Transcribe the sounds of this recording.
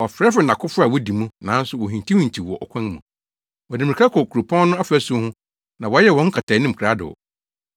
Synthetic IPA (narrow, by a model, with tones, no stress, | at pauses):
ɔ˨fɾɛ˦fɛ˨nã˨kʰʊ˦fʊ˦a˨wɔ˦di˨mũ˦nã˨˦n̩˦sʊ˨wɔ˨ɦĩ˨tʰĩ˦hĩ˨t͡ɕʰi˨wɔ˨ʔɔ̰˨kʷʰɛ̃˦n˦mũ˨ | wɔ˨dɪ˨m̃˨i˨kʰa˦kʰɔ˨kʰu˨ɾu˨pʰɔ̃˦n˦nʊ̃˦a˦fɛ˦sũ˦hʊ̃˦ | nã˨wɔ˨˦jɛ˦˨wɔ̃˦ŋ̩˦kʰa˨tʰa˨˦nɪ̃˦m̩˨kʰɾa˦dʊ̰˨